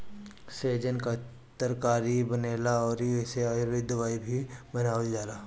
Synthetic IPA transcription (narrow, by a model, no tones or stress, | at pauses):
seːd͡ʒənka | t̪əɾkaːɾibɐneːlaɔːɾiɪseaɾʋɪd̪ʋaːibʱibɐnaːəld͡ʒaːlaː